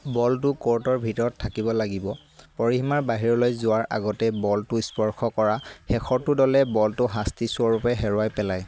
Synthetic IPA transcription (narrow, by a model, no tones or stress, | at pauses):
bɔltʊkɔɹtɔɹbʱitɔɹɔtʰːakibɔlaɡibɔ | pɔɹiɦimaɹbaɦiɹɔlojzʊwaɹa̰ɡɔtɛbɔltʊispɔɹxʰɔkɔɹaxɛxʰɔtːʊdɔlɛbɔltʊɦastisɔɹupɛɦɛɹʊajpɛlaj